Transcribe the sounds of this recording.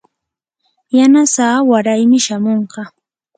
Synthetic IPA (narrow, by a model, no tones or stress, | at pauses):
janasaːwaɾajmɪʃamoɴqɑ